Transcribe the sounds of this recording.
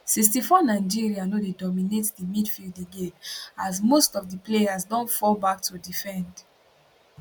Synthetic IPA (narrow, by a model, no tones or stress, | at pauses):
siks̬tifɔnaɪd͡ʒiɹianodedɔminetdimidfildiɡetazmostɔvdipleazdɔ̃nfɔlbak̚tʰudifɛ̃nd